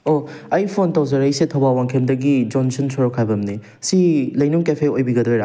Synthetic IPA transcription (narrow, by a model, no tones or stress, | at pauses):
oɐjpʰontɐwzɐɾɐjsetʰɐwbawaŋkʰemdɐɡid͡ʒonsunsʰoɾɔkʰajbɐmni | silɐjnuŋkepʰeojbiɡɐdɾojɾa